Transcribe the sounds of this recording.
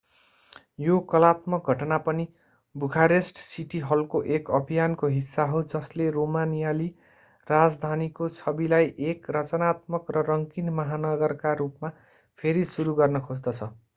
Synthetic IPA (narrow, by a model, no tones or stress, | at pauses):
jokʌlat̪mʌk̚ɡʱʌʈʌnapʌni | bukʰaɾesʈsiʈiɦʌlkoʔekʌbʱijankoɦisːaɦowd͡zʌsleromanijali | rad͡zd̪ʱanikosʰʌbilajʔekrʌt͡sʌnat̪̚mʌkrʌrʌŋkinmʌɦanʌɡʌrkaɾupma | pʰeɾisuɾuɡʌrnʌkʰod͡zd̪ʌt͡sʰʌ